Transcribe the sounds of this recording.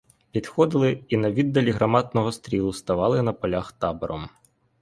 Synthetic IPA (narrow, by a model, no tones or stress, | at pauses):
pʲid̪xɔd̪ɪlˠɪinɐʋʲid̪ːɐlʲiɦɾɐmɑt̪nɔɦɔst̪ɾʲilˠʊst̪ɐʋɑlˠɪnɐpɔlʲaxt̪ɑbɔɾɔ̰m